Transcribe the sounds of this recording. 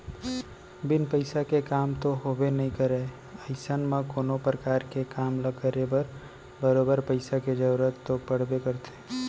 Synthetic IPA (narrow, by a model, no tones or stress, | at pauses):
bɪnpəɪsakekaːmt̪oɦobenəɦĩkəɾe | əɪsənmãkoːnopɾəkaːɾkekaːmləɡəɾebəɾ | bəɾoːbəɾpəɪsaked͡ʒəɾuɾət̪ːopəɽ̤bekəɾt̪ʰe̥